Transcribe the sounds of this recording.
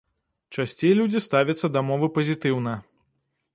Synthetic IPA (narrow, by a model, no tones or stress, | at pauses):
t͡ʂasʲt͡sʲejlʲud͡zʲist̪avʲɐt̪sːɐd̪ɐmɔvɨpɐzʲit̪ɨwnɐ